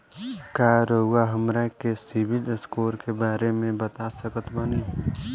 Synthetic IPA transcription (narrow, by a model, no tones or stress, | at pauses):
kjaɾoːɡaɦəmɾakesɪʋɪlskoːɾkebaːɾemẽbət̪asəkət̪bəni